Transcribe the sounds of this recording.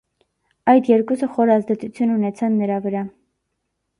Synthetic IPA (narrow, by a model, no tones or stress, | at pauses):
ɑjd̪jɛɾkusəχɔɾɑzd̪ɛt͡sʰut͡sʰjununɛt͡sʰɑnːəɾɑvəɾɑ